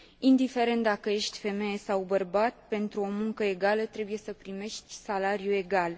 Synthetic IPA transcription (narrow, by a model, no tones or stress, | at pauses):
ind̪ife̞ɾe̞nt̪̚d̪akəje̞ʃt̪ʲfe̞me̞jesawbərbat̪pe̞nt̪ɾuo̞muŋkəe̞ɡalət̪ɾe̞buje̞səpɾime̞ʃt̪sʲsalaɾijue̞ɡal